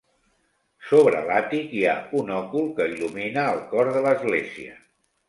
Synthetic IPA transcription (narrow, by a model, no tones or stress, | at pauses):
soβɾə̰lat̪ikiaunɔkulˠkəiluminəːlˠkɔɾðələzɣleziə̰